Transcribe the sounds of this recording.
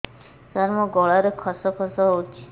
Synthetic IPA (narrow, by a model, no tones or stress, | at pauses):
t̪aɾmɔ̃ɡɔɭaɾekʰɔsɔkʰɔsɔɦot͡ʃʰi̥